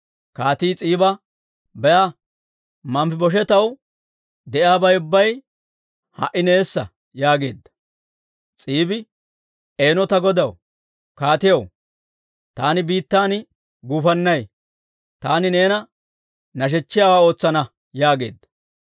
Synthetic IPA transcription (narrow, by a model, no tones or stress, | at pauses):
kaːt̪iːt͡sʼiːbɐ | bɛja | mɐmfɪbɔʃ̬ɛt̪ɐw | d̪ɛʔɪaːbɐjʊbːɐj | hɐ̰ʔɪne̞ːsːɐ̰ | jaːɡe̞̰ːd̪ːɐ̥ | t͡sʼiːbɪ | e̞ːnɔt̪ɐɡɔd̪ɐw | kaːt̪ɪjɐw | t̪aːnɪbiːt̪ːaːn | ɡuːfɐnːɐj | t̪aːnɪneːnɐ | nɐʃ̬ɛt͡ʃːɪjaːwaːo̞ːt͡sːɐnɐ | jaːɡe̞̰ːd̪ːɐ̥